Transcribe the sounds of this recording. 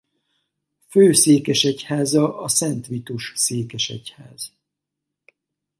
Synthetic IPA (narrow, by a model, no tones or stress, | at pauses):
føːseːkɛʃɛchaːzɒʔɒsɛnt̪ʋit̪uʃseːkɛʃɛ̰cha̰ːz̥